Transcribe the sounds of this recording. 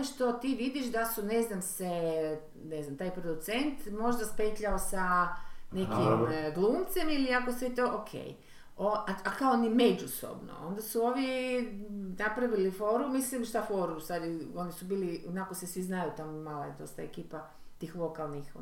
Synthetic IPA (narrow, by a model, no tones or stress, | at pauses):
ooʃt̪o̞t̪iːʋid̪iʃd̪asuneznamse | neznamt̪aːjpɾod̪ut̪se̞nt̪mo̞ʒd̪aspetʎaosane̞kiɡlˠuːmt̪se̞miliakoset̪oʔokʰḛj | oaakaonime̞d͡ʒuso̰bno̰o̞̰nd̪asuo̞ʋje | napɾaʋilifo̞ɾumislimʃt̪afo̞ɾusad̪o̞nisubiːlionakosesʋiznajut̪amomaːlaed̪o̞st̪aekiːpa | t̪iːxlo̞kalˠnix